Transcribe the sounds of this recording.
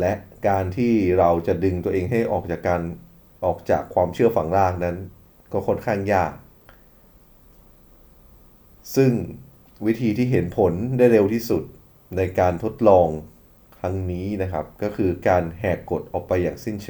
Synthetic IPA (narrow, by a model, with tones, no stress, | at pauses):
lɛ˦˥ʔkaː˧nt̪ʰiː˥˩ɾa˧wt͡ɕa˨˩dɯ˧ŋt̪u˧ɐʔeː˧ŋɦa˥˩jʔɔː˨˩k̚t͡ɕaː˨˩kːaː˧n | ʔɔː˨˩k̚t͡ɕaː˨˩kʰːwaː˧mt͡ɕʰɯ˥˩ɐfa˩˦ŋɾaː˥˩k̚na˦˥n | kɔː˥˩kʰo˥˩nkʰaː˥˩ŋjaː˥˩k̚ | sɯ˥˩ŋ | wi˦˥t̪ʰiː˧t̪ʰiː˥˩ɦe˩˦npʰo˩˦ndaː˥˩jɾe˧wt̪ʰiː˥˩su˨˩t̪̚ | na˧jkaː˧nt̪ʰo˦˥t̪̚lɔː˧ŋ | t̪ʰa˦˥ŋniː˦˥na˦˥kʰa˦˥p̚kɔː˥˩kʰɯː˧kaː˧nɦɛː˨˩kːo˨˩t̪̚ʔɔː˨˩k̚pa˧jːaː˨˩ŋsi˥˩nt͡ɕʰ